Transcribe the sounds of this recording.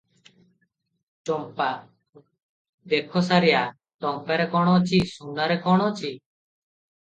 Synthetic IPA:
t͡ʃɔmpa | d̪ekʰɔsaɾija | t̪ɔmpaɾekɔɽ̃ɔt͡ʃʰisunːaɾekɔɽ̃ɔt͡ʃʰi

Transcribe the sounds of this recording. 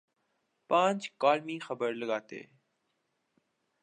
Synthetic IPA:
pãːnd͡ʒkaːlmĩːxəbəɾləɠaːt̪ḛː

